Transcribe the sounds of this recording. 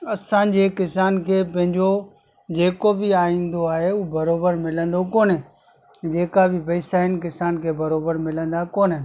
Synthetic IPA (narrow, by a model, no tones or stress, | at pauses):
ɐsãd͡ʑeːkɪsaːnkʰeːpɐ̃ɦɪ̃ɲd͡ʑo | d͡ʑeːkobɪaːĩːnd̪oaːɦeuːbɐɾoːbəɾmɪlə̃nd̪okoːnẽ | d͡ʑeːkabɪpɐːsaːɪnk̬ɪsaːnkʰeːbɐɾoːbəɾmɪlə̃nd̪akoːnɦen